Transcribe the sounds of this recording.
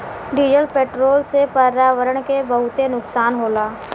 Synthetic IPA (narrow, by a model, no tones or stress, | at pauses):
ɖiːd͡ʒəlpeːʈɾoːlsepəɾaːʋəɾəɽ̃kebəɦʊt̪enʊksaːnɦoːlaː